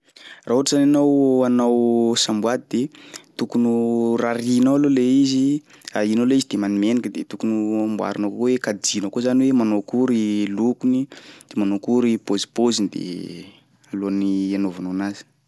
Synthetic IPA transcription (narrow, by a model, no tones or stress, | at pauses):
raɦuʈ͡ʂəzananawanawsambwad̪id̪et̪ukunuraɾinawaloleizi | ainaleizid̪̥emanimenikəd̪et̪ukunuambua̰ɾunakowekad͡zinəkozaniwemanokuɾilukunid̪̥emanokuɾipozi̥pozind̪ḛ | alonianovanawnazi̥